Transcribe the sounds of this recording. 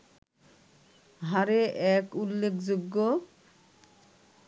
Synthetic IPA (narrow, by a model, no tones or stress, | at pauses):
ɦaɾeʔɛkulːekʰd͡ʑoɡːo